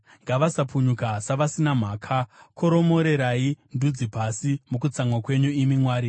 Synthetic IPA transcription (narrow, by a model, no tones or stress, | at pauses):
ŋɡaʋasapuɲukasaʋasinam̤aːkʰakʰo̞ɾo̞mo̞ɾe̞ɾaindud͡zipasimukut͡samwakwe̞ɲuimimwaːɾi